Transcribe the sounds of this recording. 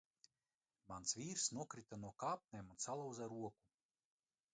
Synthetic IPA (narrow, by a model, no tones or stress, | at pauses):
mansvʲiːɾsnuɔkɾit̪anuɔkaːp̚nʲemunsalˠawzaɾuɔku